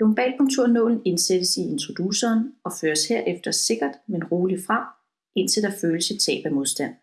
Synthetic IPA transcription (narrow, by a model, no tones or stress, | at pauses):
omb̥ɛ̰ːlkʰo̽ŋt͡sʰuɐ̰nɔ̰̽ːln̩e̝nsed̥əsie̝nt͡sʰʁo̝d̥usɐːnɒ̽føːɐsheɐ̰ʔefd̥ɐse̝ɡ̥ɐd̥menʁo̝ːlifʁɑ̈ | e̝n̰t͡sʰe̝ld̥æføːləsət͡sʰɛ̰ːb̥æmo̝ðˠsd̥æn̰